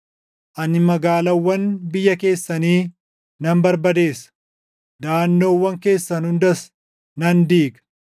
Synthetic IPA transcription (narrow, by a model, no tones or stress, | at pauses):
ʔɐnɪmɐɡaːlɐwːɐnbɪjːɐke̞ːsːɐniː | nɐmbɐɾbɐd̪e̞ːs | d̪aːnːo̞ːwːɐŋke̞ːsːɐnʊnd̪ɐs | nɐnd̪iːɡɐ